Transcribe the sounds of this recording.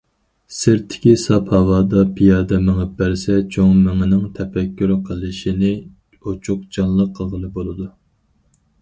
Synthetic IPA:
sɪɾt̪ʰːɪ̥kʲisɑphɑwɑːd̪ɑpʰijɑːd̪ɛmɪŋɪp̚bæɾsɛt͡ʃʰoŋmɪŋɪnɪŋt̪ʰɛpɛkʲːyɾqʰəlˠɨʃinɪ | ot͡ʃʰuq̚d͡ʒɑnlˠəqʰːəʁəlˠɨbolˠɨd̪u

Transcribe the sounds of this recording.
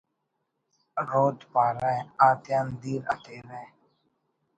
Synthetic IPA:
ɾoːd͡ʒpaːɾɛ̃aːt̪jaːnd̪iːɾə̰t̪ʰeːɾɛ

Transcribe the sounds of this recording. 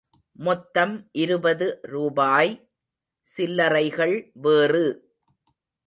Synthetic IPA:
mɔt̪ːɐmʔɪɾɯbɐðɯɾuːbaːj | sɪlːɐɾɐɪɣɐɭʋeːrɯ

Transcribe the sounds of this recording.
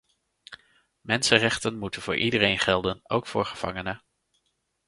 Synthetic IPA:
mɛnsərɛχtənmutənvʊ̰ːɹʔidərejnχɛlˠdənowkfʊːɹχəv̥ɑ̰ŋənə

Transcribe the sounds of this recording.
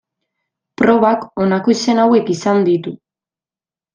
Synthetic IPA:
pɾo̞β̞ako̞nako̞ise̞nawe̞kisand̪it̪u

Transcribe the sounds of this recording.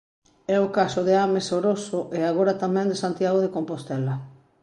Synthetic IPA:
ɛʊkasʊðeamesoɾosʊʔeaɣoɾat̪amɛ̃nd̪esant̪jaɣoðekompost̪ɛla

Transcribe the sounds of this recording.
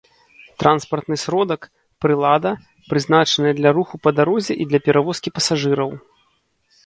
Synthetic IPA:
t̪ɾʔanspɐrt̪nɨsɾɔd̪ɐk | pɾɨlˠad̪ɐ | pɾɨznat͡ʂɐnɐjɐd̪lʲɐɾuxupɐd̪aɾɔzʲɛʔid̪lʲɐpʲɛɾʔavɔskʲipɐsaʐɨɾɐw

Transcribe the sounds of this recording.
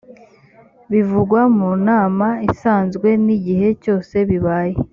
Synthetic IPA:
βivuɡwamunaːmaisaːnzɡwe̞niɟiɦe̞co̞ːse̞βiβaːje

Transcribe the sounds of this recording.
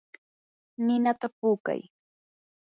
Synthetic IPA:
nɪnat̪apuːka̰j

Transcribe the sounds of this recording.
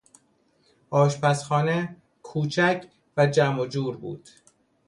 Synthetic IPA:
ʔɒːʃpæsχɒːne | kʰuːt͡ʃʰæcʰ | væd͡ʒæmod͡ʒuːɾbṵːd̪̥

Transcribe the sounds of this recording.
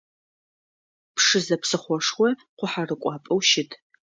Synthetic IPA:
pʂɨzɐpsɨχʷɔʂχʷɔqʷʊħarɨkʷʼɑːpʼɐwʃɪtʰ

